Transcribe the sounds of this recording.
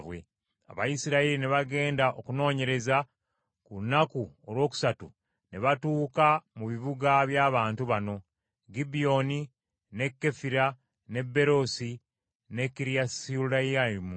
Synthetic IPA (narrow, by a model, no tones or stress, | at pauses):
βwe̞̰ | a̰βa̰jisiɾaiɾineβaɡe̞ːndaʔo̞kuno̞ːɲe̞ɾe̞za | kunakuoɾwo̞ːku̥satu | ne̞βatuːkamuβiβuɡaβjaːβaːntuβano̞ | ɡibijo̞ni | ne̞kːe̞fiɾa | ne̞bːe̞ɾo̞si | ne̞kiɾijasiulaaimu